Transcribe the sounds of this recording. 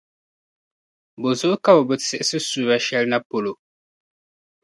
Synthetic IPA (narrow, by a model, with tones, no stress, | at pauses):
bo˨zʊ˦ʔʊ˦ka˦bɔ˨bɨ˨sɛ˨ʔɪ˦sɨ˦su˨ɾa˨ʃɛ˦lna˦po˨lo˨